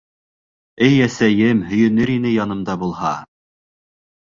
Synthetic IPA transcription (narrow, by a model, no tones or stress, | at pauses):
ɘjæsæjɘmhɵ̆jɵ̆nɵɾinɘjɑn̪ɤ̆md̪ɑbulˠhɑ